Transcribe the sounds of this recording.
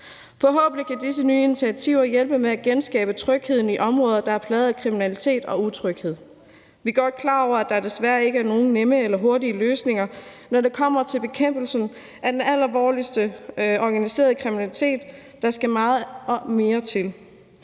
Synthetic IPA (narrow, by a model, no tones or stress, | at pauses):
fɒ̽ɦɔ̰ːb̥n̩likʰæd̥is̬ənyːinit͡sʰiæt͡sʰiʊ̰ɐjelb̥əmeæɡ̥ensɡ̥ɛ̰ːb̥ət͡sʰʁœɡ̥heð̰ˠn̩iʔɒ̽mʁɔ̽ːðˠɐd̥ɑ̈æɐpʰlɛð̩ˠækʰʁiminælit͡sʰe̝̰ːd̥ɒ̽ut͡sʰʁœɡ̥heð̰ˠ | ʋiɡ̥ɒd̥̚kʰlɑ̈ːɒʊ̰ɐæd̥ɑ̈d̥e̝sʋæːɐe̝ɡəæɐno̝ːn̩neməelɐɦo̝ɐdiəløːsne̝ŋɐnɒɾe̝kʰɒ̽m̰ɐt͡sʰe̝lb̥e̝kʰem̰b̥l̩sn̩ | ʔæd̥enæl̰ɐʋɒːlisd̥əɒɡ̥ænise̝̰ːɐð̞ˠkʰʁiminælit͡sʰe̝̰ːd̥ː | ɑ̈sɡ̥æmɑ̈ːð̞̩ˠɒ̽me̝ːɐt͡sʰe̝l